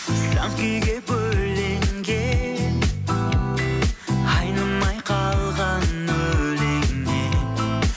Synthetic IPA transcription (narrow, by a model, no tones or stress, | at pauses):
slamkʲʏjɡʲebɵlleŋɡʲen | hɑjnənmɑjqʰɑlˠʁɑnɵleŋːe